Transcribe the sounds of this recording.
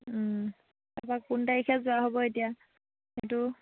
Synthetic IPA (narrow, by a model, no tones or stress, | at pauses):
tapakkuntaikʰɛzʊwaɦobɔetija | xetʊ